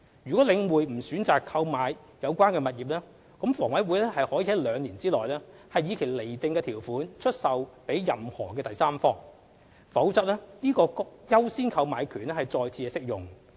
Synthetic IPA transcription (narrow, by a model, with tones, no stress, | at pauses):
jyː˨˩kɔ˨˥lɪ˨˧ŋwuː˨˩jm̩˨˩syː˨˥nt͡saː˨kʰːɐ˧wmaː˨˧j | jɐ˨˧wkʷaː˥nkɛː˧mɐ˨t̚jiː˨p̚lɛː˥ | kɔ˨˥mfɔː˨˩ŋwɐ˨˥jwuː˨˥jlɛː˥hɐ˨jhɔː˨˥jiː˨˧˥hɐ˨˥jlœː˨˧ŋliː˨˩nt͡siː˥lɔː˨jlɛː˥ | hɐ˨jːiː˨˧kʰe˨˩jle˨˩jt̪ɪ˨˧ŋkɛː˧t̪ʰiː˨˩wfuː˨˥nt͡ʃʰɵ˥t̚sɐ˨wpe˨˥jːɐ˨mhɔː˨˩kɛː˧t̪ɐ˨jsaː˥mfɔː˥ŋ | fɐ˨˥wt͡sɐ˥t̚lɛː˥niː˥kɔː˧kʊ˥k̚jɐ˥wsiː˥nkʰɐ˧wmaː˨˧jkʰyː˨˩nɛː˥hɐ˨jt͡sɔː˧jt͡sʰiː˧ɛ˧sɪ˥k̚jʊ˨ŋ